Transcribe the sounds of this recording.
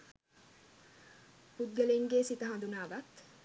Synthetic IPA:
pud̪̚ɡəleŋɡeːsit̪əɦɐnd̪unaːʋat̪

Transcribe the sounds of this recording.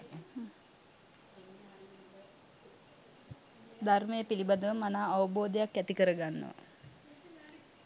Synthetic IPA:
d̪arməjəpilibad̪əʋəmanaːʋəboːd̪ejakjæt̪ikəɾəɡanːə̰ʋa̰

